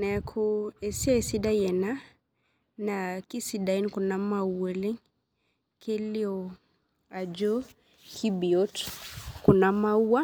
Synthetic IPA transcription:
nɛ˨kʰu˦ɛ˨si˦ɔ˦ɛ˨si˦da˦jɛ˨na˦ | na˨ki˦si˨da˨i˦nku˨na˦ma˦uɛ˨li˦ŋ | kʰe˦li˦ɔ˨ | a˨d͡ʒɔ˦ | kʰi˦bi˨ɔ˦tku˨na˨ma˦u˦a˦

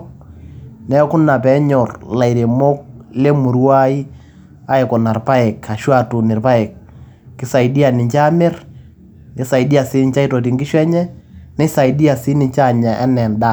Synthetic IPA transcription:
nɛ˨˦kʊ˦na˨pɛ˨˦ɲɔ˨rla˨i˨ɾe˨mo˦k̚le˦mu˨ɾwa˦i˦ | a˦e˨kɔ˨na˨rpa˦ɛ˨ka˨ʃwa˦˨tu˨nɪ˨rpa˦ɛ˨k̚ː | ɪ˨˦sa˨idi˦a˨nɪ˨ɲt͡ʃa˦me˦r | ɪ˨˦sa˨i˨di˦a˨sɪ˦n˦t͡ʃa˦i˦to˨t̬i˨ŋɡɪ˦ʃwɛ˦ɲɛ˦nɛ˦sa˨i˨di˦a˨si˦ni˨t͡ʃa˦ɲa˨ʔɛ̰˦nɛ˨nda˦˨

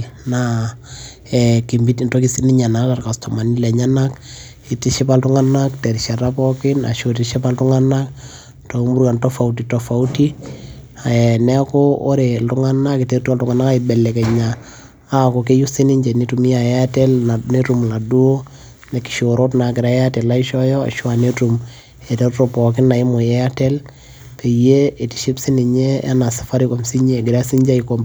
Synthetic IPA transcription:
na | ɛki˨mbitntɔki˦siniɲa˨na˨ta˨rkastɔma˨ni˦lɛ˨ɲana˦k | i˨tiʃi˦paltuŋanakteɾʃa˨ɾapɔkɪ˦na̰˨ʃoti˨ʃi˦pa˦ltuŋana˦k | tomu˦ɾka˨ntɔfa˨ut̬itɔfa˨uti˦ | a˨nɛkɔo˦ɾeltuŋana˦kiteɾtua˦ltuŋa˨na˦ka˦ibɛlːɛkɛ˨ɲaː˦˨ | ko˨ke˦ju˦si˦ni˦ɲd͡ʒɛ˨ni˦tumi˦a˨jɛ˦a˦tɛlne˦tu˨mna˨du˦o˦ | nɛ˨ki̥˨ʃoɾo˦tna˨kɪ˨ɾa˨ɛ˦a˦tɛ˨la˦i˦ʃɔ˦jɔa̰˨ʃwa˨ne˦tum | ɛ˨tɛ˦ɾtopɔ˨k̬ɪ˦na˨i˦mo˨jɛa˦tɛ˦l | pe˨je˦e˨ti˨ʃi˦psi˦ni˨ɲe˦a̰˦na˨sḁ˨fa˦ɾi˦ko˨msi˦ɲe˦˨ɡɪ˨ɾa˦si˦ɲd͡ʒa˦ikom

